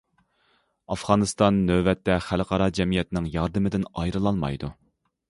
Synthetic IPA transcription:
ɑfʁɑːnɨst̪ɑnːøvɛt̪ːɛχælqʰɑɾɑd͡ʒɛmijɛt̪ɪnɪŋjɑɾd̪ɨmɪd̪ɪnɑjɾɨlˠɑlmɑ̰jd̪u

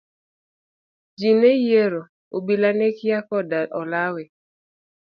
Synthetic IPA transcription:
d͡ʒinejeɾo | obilanekɪakɔdaɔlawɛ

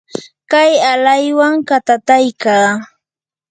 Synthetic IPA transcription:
kajalajwaŋkat̪at̪ajkaː

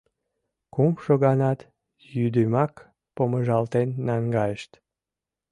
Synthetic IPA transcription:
kumʃoɣɑnɑt̪ | jyd̪ymɑk | poməʒɑlt̪enːɑŋɡɑjəʃt̪

